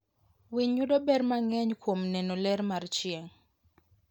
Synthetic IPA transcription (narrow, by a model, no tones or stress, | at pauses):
wiɲːudobɛrmaŋɛɲkwomnɛnolɛɾmart͡ʃɪeŋ